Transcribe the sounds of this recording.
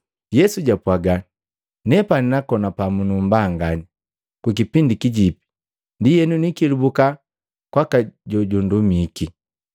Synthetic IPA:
jɛsuɟapwaɡan | nɛpaninakɔnapamunumbaːŋɡani | kukipindikiɟipi̥ | ndijɛnunikilubuka | kwakaɟɔɟundumiki

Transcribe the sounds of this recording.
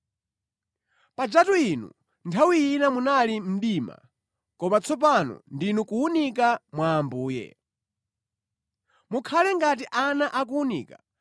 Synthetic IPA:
pad͡ʒatuinṵ | ntʰawiinamunalim̩ɗima̰ | kɔmat͡sʰɔp̬anɔ̰ndinukuunik̬amwaːmbuːjɛ̰ | mukʰalɛŋɡat̬iʔanaʔak̬uunḭːka

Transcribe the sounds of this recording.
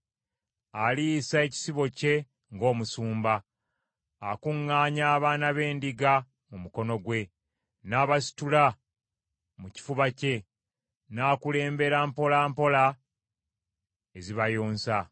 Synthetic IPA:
alijːsae̞ci̥siβo̞ce̞ | ŋɡo̞ːmusuːmbaː | kuŋːaːɲaːβaːnaβe̞ːndiɡa | mumuko̞no̞ɡwe̞ | naːβasi̥tula | muci̥fuβace̞ | naːkule̞ːmbe̞ɾampo̞laːmpo̞la | eziβajoːnsa

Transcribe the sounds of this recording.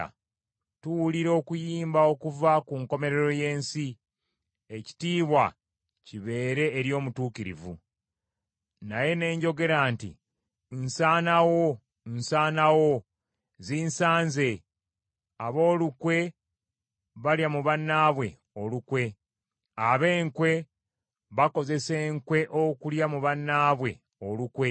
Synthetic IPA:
a̰ | tuwuliɾo̞ːkujiːmbao̞kuvakuŋko̞me̞ɾe̞ɾo̞je̞ːnsi | eci̥tiːβwa | ciβe̞ːɾe̞ːɾjo̞ːmutuːkiɾḭvṵ | naje̞ne̞ːɲɟo̞ɡe̞ɾaːntḭ | nsaːnawo | nsaːnawo̞ | ziːnsaːnze̞ | aβo̞ːlukwe̞ | βaljamuβanːaβwe̞ | o̞lukwe̞ | aβe̞ːŋkwe̞ | βako̞ze̞se̞ːŋkwe̞ʔokuljamuβanːaːβwe̞̰ | o̞lukwe̞

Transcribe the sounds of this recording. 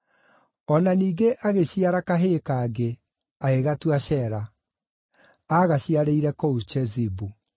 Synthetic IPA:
ɔnaniːɡeʔaɣeɕiaɾakaɦekaːɡe | aɣeɣatwaɕɛɾa | aɣaɕiaɾeiɾɛkout͡ʃɛzibu

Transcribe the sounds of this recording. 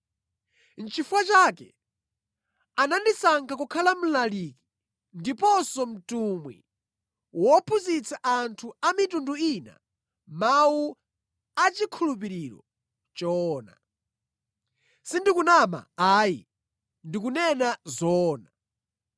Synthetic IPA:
n̩t͡ʃʰifuwat͡ʃaːkɛ̰ | anandisaŋkʰakukʰalam̩laliki̥ | ndipɔsɔm̩tumwḭ | wɔpʰuzit͡sʰaʔantʰuamitunduina̰ | mawu | at͡ʃikʰulup̬iɾiɾɔ̰ | t͡ʃɔːna̰ | sindikunama̰aːjḭ | ndikunɛnazɔːna

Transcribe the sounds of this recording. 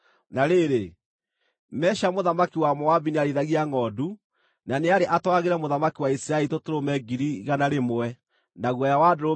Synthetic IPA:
naɾeɾe | mɛʃamoðamakiwamɔavineaɾeðaɣiaŋɔdu | naneaɾeʔatwaɣeɾɛmoðamakiwaisiɾaɛitotoɾomɛɡiɾiɣanaɾemoɛ | naɣwɛjawadoɾo

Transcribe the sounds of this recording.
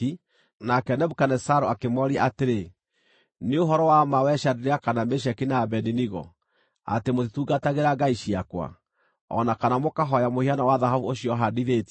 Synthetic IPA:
i | nakɛnɛbukanɛsaɾoakemɔɾiaateɾe | neoɦɔɾɔwamawɛʃadeɾeakanameʃ̬akinabɛniniɣɔ̰ | a̰temotetuɡataɣeɾaɡaiʃiakwa̰ | ɔ̰nakanamokaɦɔjamohianawaðaɦavuoɕijɔɦadiðet

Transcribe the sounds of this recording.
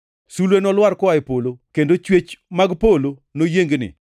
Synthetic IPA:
sulwenɔlwarkɔaɪpolokendot͡ʃwet͡ʃmaɡpolonojeŋɡnɪ̰

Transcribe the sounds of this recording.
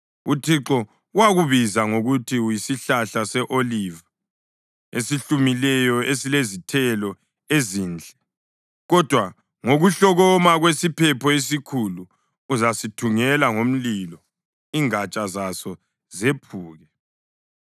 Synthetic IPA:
utʰiǁɔ | waɣuβizaŋoɣutʰiujisiɬaɬasɛʔoliva | esiɬumilɛjɔesilezitʰɛlɔ | ezind͡ɮʱɛ | ɣɔd̥ʱwa | ŋoɣuɬɔɣɔmaɣwesipʰɛpʰɔes̬ikʰulu | uzasitʰuŋɛlaŋom̩lilɔ | iŋat͡ʃʼazasɔ | zepʰuːɣɛ

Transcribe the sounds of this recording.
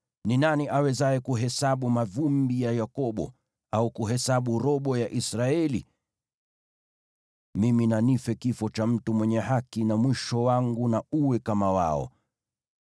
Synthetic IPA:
ninaniʔawɛzaɛkuɦɛsaɓumavumbijajakɔɓɔ̰ | aukuɦɛsaɓuɾɔɓɔjaʔisɾaɛlḭ | miminanifɛkifɔt͡ʃam̩tumwɛɲɛhakinamwiʃɔwaŋɡunauwɛkamawa̰ɔ̰

